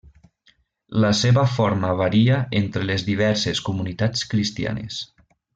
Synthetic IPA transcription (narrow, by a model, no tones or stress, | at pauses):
ləseβəfoɾməβaɾiəent̪ɾelezðiβ̞ɛɾseskumunit̪at͡skɾist̪ia̰nḛs